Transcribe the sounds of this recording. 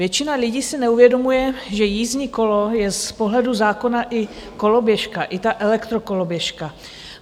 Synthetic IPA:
jɛt͡ʃɪnalɪɟiːsɪnɛuvjɛdo̞mujɛʒɛjiːzɲiːko̞lo̞jɛspo̞ɦlɛduzaːko̞naʔɪ | ko̞lo̞bjɛʃkaʔɪt̪aʔɛlɛkt̪ɾo̞ko̞lo̞bjɛʃka

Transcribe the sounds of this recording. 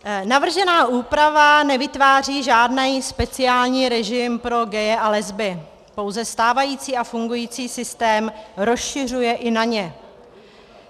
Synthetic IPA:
navr̩ʒɛnaːʔuːpɾavanɛvɪt̪vaːr̝iːʒaːdnɛjspɛt͡sɪaːlɲiːɾɛʒɪmpɾo̞ɡɛjɛʔalɛzbɪ | po̞wzɛst̪aːvajiːt͡siːʔafuŋɡujiːt͡siːsɪst̪ɛːmɾo̞sʃɪr̝ujɛʔɪnaɲɛ

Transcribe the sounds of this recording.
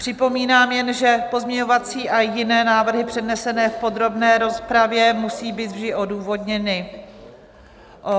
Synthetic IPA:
pr̝̥ɪpo̞miːnaːmjɛnʒɛpo̞zmɲɛɲovat͡siːʔajɪnɛːnaːvr̩ɦɪpr̥ɛdnɛsɛnɛːfpo̞d̪ɾo̞bnɛːɾo̞spɾavjɛmusiːbiːt̪vʒdɪʔo̞duːvo̞dɲɛnɪ | ʔo

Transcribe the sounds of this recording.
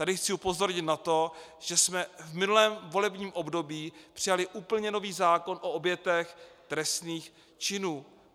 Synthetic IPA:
t̪adɪxt͡sɪupo̞zo̞ɾɲɪt̪nat̪o̞ʒ̥ɛsmɛvmɪnulɛːmvo̞lɛbɲiːmʔo̞bdo̞biːpr̥ɪjalɪʔuːpl̩ɲɛno̞viːzaːko̞nʔo̞objɛt̪ɛxt̪ɾɛst̪niːx | t͡ʃɪnuː

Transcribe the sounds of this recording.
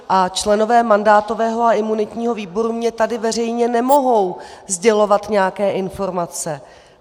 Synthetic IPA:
ʔat͡ʃlɛno̞vɛːmandaːt̪o̞vɛːɦo̞aɪmunɪt̪ɲiːɦo̞viːbo̞ɾumɲɛt̪adɪvɛr̝ɛjɲɛnɛmo̞ɦo̞wzɟɛlo̞vat̪ɲɛjakɛːʔɪnfo̞ɾmat͡sɛ

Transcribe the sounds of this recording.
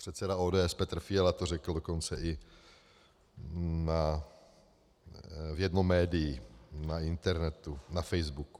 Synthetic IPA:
pr̥ɛt̪t͡sɛdaoːdɛːɛspɛt̪r̩fɪɛlat̪orɛkl̩doko̞nt͡sɛʔɪ | na | vjɛdnomːɛːdɪjinaɪnt̪ɛɾnɛt̪unafɛjzbuk

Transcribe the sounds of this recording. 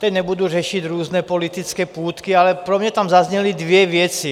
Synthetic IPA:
t̪ɛɲɛbud̪uːɾɛʃiɟɾɔːznɛpɔlit̪it͡skɛpuːt̪kialɛpɾɔmɲɛt̪amzazɲɛlid̪ʋɪɛʋɪɛt͡si

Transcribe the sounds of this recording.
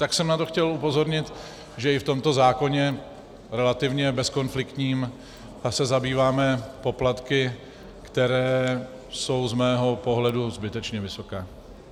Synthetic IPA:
t̪aksɛmnat̪o̞xcɛlupo̞zo̞ɾɲɪt̪ | ʒɛɪft̪o̞mt̪o̞zaːko̞ɲɛ | ɾɛlat̪ɪvɲɛbɛsko̞nflɪkt̪ɲiːm | sɛzabiːvaːmɛpo̞plat̪kɪ | kt̪ɛɾɛː | so̞wzmɛːɦo̞po̞ɦlɛduzbɪt̪ɛt͡ʃɲɛvɪso̞kɛː

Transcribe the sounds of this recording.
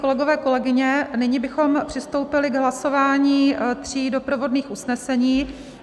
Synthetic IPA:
kolɛɡovɛːko̞lɛɡɪɲɛnɪɲɪbɪxo̞mpr̝̥ɪst̪o̞wpɪlɪɡɦlaso̞vaːɲiːt̪r̝̥iːdo̞pɾovo̞dniːxʔusnɛsɛɲiː

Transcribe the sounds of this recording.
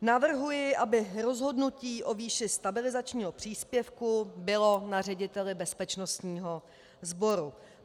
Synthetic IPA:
navr̩ɦujɪʔabɪɾo̞zɦo̞dnuciːʔo̞viːʃɪst̪abɪlɪzat͡ʃɲiːɦo̞pr̥iːspjɛfkubɪlo̞nar̝ɛɟɪt̪ɛlɪbɛspɛt͡ʃno̞st̪ɲiːɦo̞ | zbo̞ɾu

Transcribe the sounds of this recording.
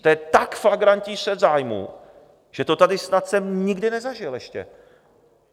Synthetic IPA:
t̪ɛɛt̪akflaɡɾancisɛzaːjmṵ | ʒ̥ɛt̪ot̪adɪsnat̪sɛmɲɪɡdɪnɛzaʒɪlɛʃcɛ̰

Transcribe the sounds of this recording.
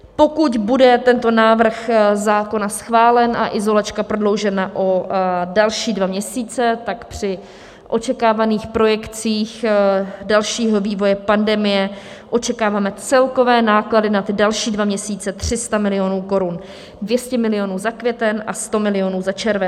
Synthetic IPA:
po̞kut̪budɛt̪ɛnt̪o̞naːvr̩xzaːko̞nasxvaːlɛnʔa̰ʔɪzo̞lat͡ʃkapɾo̞dlo̞wʒɛnaʔo̞dalʃiːdvamɲɛsiːt͡sɛt̪akpr̝̥ɪ | ʔo̞t͡ʃɛkaːvaniːxpɾo̞jɛkt͡siːxdalʃiːɦo̞viːvo̞jɛpandɛmɪjɛ | ʔo̞t͡ʃɛkaːvaːmɛt͡sɛlko̞vɛːnaːkladɪnat̪dalʃiːdvamɲɛsiːt͡sɛt̪r̝̥ɪst̪amɪlɪjo̞nuːko̞ɾun | dvjɛscɛmɪlɪjo̞nuːzakvjɛt̪ɛnʔast̪o̞mɪlɪo̞nuːzat͡ʃɛɾvɛn

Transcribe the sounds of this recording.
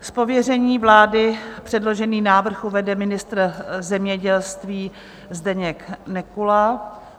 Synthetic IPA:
spo̞vjɛrɛɲiːvlaːdɪpr̝̥ɛdlo̞ʒɛniːnaːvr̩xuvɛdɛmɪnɪst̪ɾzɛmɲɛɟɛlst̪viː | zdɛɲɛknɛkulaː

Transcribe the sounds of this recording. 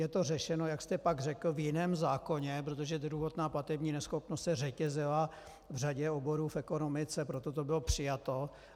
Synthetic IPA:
jɛt̪o̞rɛʃɛnojakst̪ɛpaɡrɛkl̩vjɪnɛːmzaːko̞ɲɛp̬ɾot̪oʒɛd̪ɾuɦot̪naːplat̪ɛbɲiːnɛsxopnost̪sɛrɛcɛzɪla | vraɟɛobo̞ɾuːfɛko̞no̞mɪt͡sɛpɾot̪o̞t̪o̞bɪlopr̝̥ɪjat̪o

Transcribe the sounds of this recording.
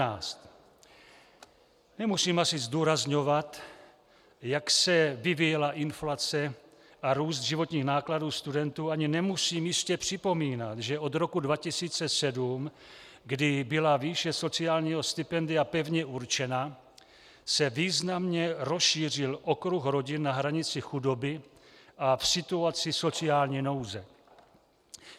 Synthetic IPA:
aːst̪ | nɛmusiːmasɪzduːɾazɲo̞vat̪ | jaksɛvɪvijɛlaʔɪnflat͡sɛ | ʔaɾuːst̪ʒɪvo̞t̪ɲiːxnaːkladuːst̪udɛnt̪uːaɲɪnɛmusiːmjɪscɛpr̝̥ɪpo̞miːnat̪ʒɛo̞d̪ɾo̞kudvacɪsiːt͡sɛsɛdum | ɡdɪbɪlaviːʃɛso̞t͡sɪaːlɲiːɦo̞st̪ɪpɛndɪapɛvɲɛʔuɾt͡ʃɛna | sɛviːznamɲɛɾo̞sʃiːr̝ɪlʔo̞kɾuxɾo̞ɟɪnːaɦɾaɲɪt͡sɪxudo̞bɪʔafsɪt̪uat͡sɪso̞t͡sɪaːlɲiːno̞wzɛ

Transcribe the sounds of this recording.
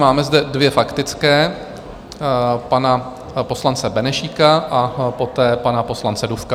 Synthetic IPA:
maːmɛzdɛdvjɛfakt̪ɪt͡skɛː | pana | po̞slant͡sɛbɛnɛʃikaʔapo̞t̪ɛːpanapo̞slant͡sɛdufka

